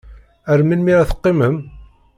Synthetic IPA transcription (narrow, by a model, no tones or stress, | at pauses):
æɾminmiʁæθə̥qːɪməm